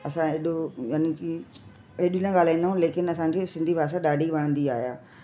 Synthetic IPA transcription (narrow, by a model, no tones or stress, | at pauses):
ɐsãeːɗojaːniki | eːɗinãɠaːl̤aːĩnd̪aɦũleːkɪnɐsãd͡ʑisɪ̃nd̪ʱibʱaːs̬aɗaːɖʱiʋɐɽ̃ə̃nd̪iaːɦijaː